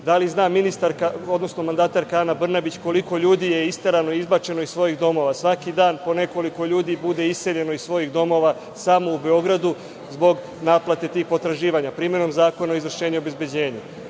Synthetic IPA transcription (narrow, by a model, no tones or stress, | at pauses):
d̪aliznaːminist̪aɾkao̞d̪no̞sno̞mand̪aːt̪aɾkaanabr̩nabit͡ɕko̞liko̞ʎuːd̪ijeist̪aɾanoiizbat͡ʃe̞no̞issʋo̞jiɣd̪o̞mo̞ːʋasʋakid̪aːnpo̞ne̞ko̞liko̞ʎuːd̪ibud̪e̞isse̞ʎe̞noissʋo̞jiɣd̪o̞mo̞ʋa | samo̞ube̞o̞ɡɾad̪u | zbo̞ɡ | naːplˠat̪e̞t̪iːxpo̞t̪ɾaʒiːʋaɲapɾiːmje̞no̞mzaːko̞naoizvr̩ʃe̞ːɲeobe̞zbed͡ʑe̞ːɲu